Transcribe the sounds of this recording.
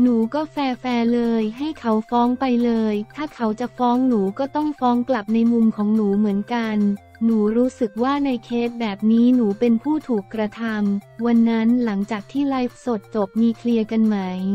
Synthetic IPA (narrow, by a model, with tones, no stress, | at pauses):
nuː˩˦kɔː˥˩fɛː˧fɛː˧lɤː˧jɦa˥˩jkʰa˦˥wfɔː˦˥ŋpa˧jlɤː˧jt̪ʰaː˥˩kʰa˩˦˥wt͡ɕa˨˩fɔː˦˥ŋnuː˩˦kɔː˥˩t̪ɔ˥˩ŋfɔː˦˥ŋkla˨˩p̚na˧jmu˧mkʰɔː˩˦ŋnuː˩˦mɯ˩˦ənka˧nː | uː˩˦ɾuː˦˥sɯ˨˩k̚waː˥˩na˧jkʰeː˦˥t̪̚bɛː˨˩p̚niː˦˥nuː˩˦pe˧npʰuː˥˩t̪ʰuː˨˩kːɾa˧t̪ʰa˧mwa˧nːa˦˥nla˩˦ŋt͡ɕaː˨˩k̚t̪ʰiː˥˩laː˦˥jf̚so˨˩t̪̚t͡ɕo˨˩p̚miː˧kʰli˧əka˧nma˦˥j